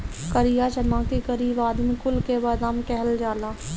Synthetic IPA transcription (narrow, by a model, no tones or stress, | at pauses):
kəɾijat͡ʃɐnãːkiɡəɾiːbaːd̪mĩkʊlkebaːd̪aːmkɛɦəld͡ʒaːlaː